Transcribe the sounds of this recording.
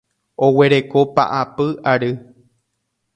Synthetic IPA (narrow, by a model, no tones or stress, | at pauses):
o̞we̞ɾe̞ko̞pa̰ʔapɨaɾɨ